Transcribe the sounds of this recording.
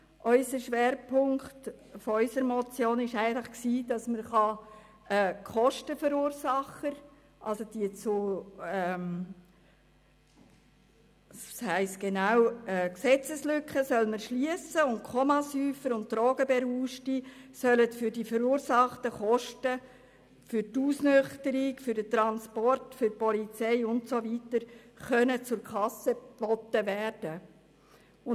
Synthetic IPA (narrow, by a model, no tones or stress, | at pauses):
ʔœʏsəʃʋeːɾpʰʊŋkχt | fɔœʏsəɾmɔt͡sjoːnɪʃæɪɡəntləχksiːd̥ɑsməɾχɑ | ɛːkχɔʃtəfəɾuːɾsɑχəɾ | ʔɑ̰lsod̥iət͡suɛm | shæɪstɡ̥enawɛːksɛt͡səslʏkχəsœlməɾʃliəsəʊntkχɔmɑsyːfəɾʊnt̚tɾoːɡ̥əbɛɾuːʃtisœlətfʏɾdifəɾuːɾsɑχtəχɔʃtə | fʏɾtuːsnʏχtəɾɪkfʏɾdətɾɑnspɔrtfʏɾpɔlit͡sɛɪʊntsovitəɾ | χœnət͡sʊɾkχɑsəb̥ɔtːəʋæːrd̥ə | ʊ